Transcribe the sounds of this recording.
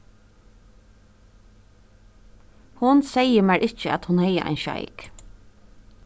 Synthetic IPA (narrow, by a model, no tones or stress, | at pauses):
hʊnsɛjəmæʔɪt͡ʃəæ̰t̪hʊnhɛjə̰ʔa̰ɪnʃa̰ɪk